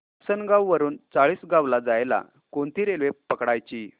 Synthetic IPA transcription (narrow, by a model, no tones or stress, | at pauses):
sənɡawːəɾuːnt͡saɭiːsɡaʋlad͡zajla̰ | kont̪iːɾelʋepəkɽajt͡ɕiː